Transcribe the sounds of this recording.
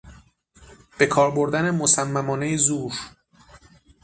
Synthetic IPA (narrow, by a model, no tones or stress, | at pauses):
b̥e̞kʰɒːɾbo̞ɾd̪ænemo̞sæmːæmɒːnejezuːɾ